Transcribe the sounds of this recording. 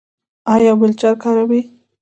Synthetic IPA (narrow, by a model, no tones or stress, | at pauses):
ɑjɑbɪlt͡ʃaɾkɑɾawi